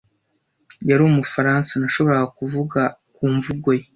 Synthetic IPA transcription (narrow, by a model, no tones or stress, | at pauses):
jaɾuːmufaɾaːnsanaʃo̞βo̞ɾaɡakuvuɡakuːɱvuɡo̞je